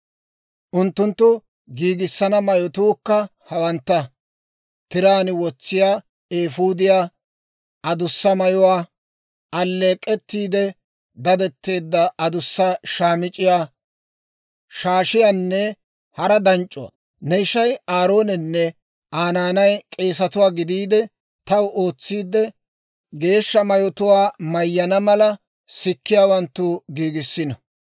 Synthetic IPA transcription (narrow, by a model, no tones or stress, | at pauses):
ʔʊnt̪ːʊnt̪ːʊ | ɡiːɡɪsːɐnɐmɐjɔt̪uːkːɐhɐwɐnt̪ːɐ | t̪ɪɾaːnɪwɔt͡sːɪjaː | eːfuːd̪ɪjaː | ʔɐd̪ʊsːɐmɐjɔwaː | ɐlːe̞ːkʼːɛt̪ːiːd̪ɛ | d̪ɐd̪ɛt̪ːe̞ːd̪ːɐʔɐd̪ʊsːɐʃaːmɪt͡ʃʼɪjaː | ʃaːʃɪjanːɛ | hɐɾɐd̪ɐnt͡ʃʼːʊwa̰ | nɛɪʃɐjaːɾoːnɛnːɛ | ʔaːnaːnɐjkʼe̞ːs̬ɐt̪ʊwaːɡɪd̪iːd̪ɛ | t̪ɐwʔo̞ːt͡sːiːd̪ɛ | ɡe̞ːʃːɐmɐjɔt̪ʊwaːmɐjːɐnɐmɐlɐ | sɪkːɪjaːwɐnt̪ːʊɡiːɡɪsːɪnɐ